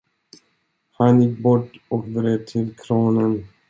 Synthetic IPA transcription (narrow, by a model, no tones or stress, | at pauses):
hanjɪk̚bɔʈːɔkd̪ɾeːvt̪ʰɪlkʰɾoːnən